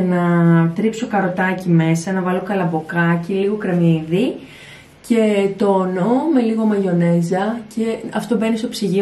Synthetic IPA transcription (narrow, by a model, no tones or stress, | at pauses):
nɐt̪ɾikso̞kɐɾo̞t̪ɐcime̞sɐnɐvɐlo̞kɐlɐbo̞kɐciliɣo̞kɾe̞miði | ce̞t̪onome̞liɣo̞mɐʝo̞ne̞zɐce̞ɐft̪o̞be̞nist̪o̞psiʝi